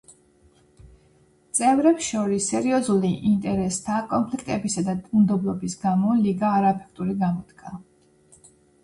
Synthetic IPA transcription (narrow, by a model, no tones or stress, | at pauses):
t̪sʼɛvɾɛpsʃɔɾisːɛɾiɔzuliʔint̪ʼɛɾɛst̪ʰakʼɔnpʰlikʰt̪ʼɛbisad̪aund̪ɔblˠɔbisɡamɔliɡaːɾaɛpʰɛ̥kʰt̪ʼuɾiɡamɔd̪ɡʰa